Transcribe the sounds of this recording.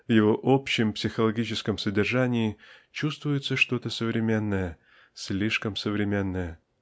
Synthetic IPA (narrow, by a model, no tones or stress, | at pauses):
vjɪvo̞ʔopɕːɪmpsʲɪxəlˠɐɡʲit͡ɕɪskəmsədʲɪrʐanʲɪːt͡ɕust̪vʊjɪt̪səʂt̪o̞t̪əsəvɾʲɪmʲe̞nːəjə | sʲlʲiʂkəmsəvɾʲɪmʲe̞nːəjə